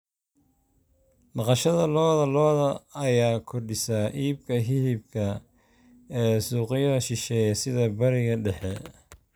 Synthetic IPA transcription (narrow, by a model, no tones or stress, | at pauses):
mɑqɑʃɐðɐlɔːðɐlɔːðɐːjaːkʰɔrɖɪsaːʔiːbkʰɐɦɪhɪb̚kʰɐ | ɛːsuːqɪjɐɐʃɪʃɛːjɐsɪðɐbɐɾɪɣɐɖɛħɛ